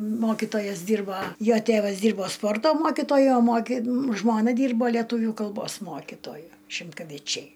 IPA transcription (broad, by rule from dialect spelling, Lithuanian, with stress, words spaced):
ˈmoːkʲɪtoːjɛs ˈdʲiːrbɐ ˈjoː ˈtʲeːʋɐs ˈdʲiːrboː ˈspoːrtoː ˈmoːkʲɪtoːjʊ oː ˈmoːkʲɪ ˈʒmoːnɐ ˈdʲiːrboː lʲɛˈtuːʋʲuː kɐlˠˈboːs ˈmoːkʲɪtoːjʊ ʃʲɪmkɐʋʲɪˈt͡ʃʲɛɪ